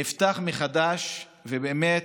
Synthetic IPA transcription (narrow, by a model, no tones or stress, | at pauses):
ift̪aχmeχad̪aʃ | vebeːmet